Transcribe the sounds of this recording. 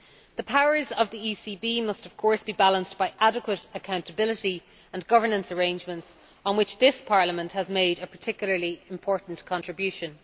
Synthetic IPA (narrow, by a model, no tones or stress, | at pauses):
ðəpʰaʊə˞zəvðiisibimʌstʌv̥kʰɔɹsb̥ibalə̃nsb̥aɪʔaɾəkwəɾəkʰãʊ̃ntəbɪlɪɾi | ə̃nɡʌvə˞nə̃nsə˞ẽɪ̃nd͡ʒmə̃nts | ə̃n̩wɪt͡ʃðɪspʰɑɹləmə̃nthəzmeɪɾəpʰə˞tʰɪkjl̩ˠə˞liɪ̃mpʰɔɹʔn̩kʰɑ̃ntɹ̥ɪbjʉʃə̃n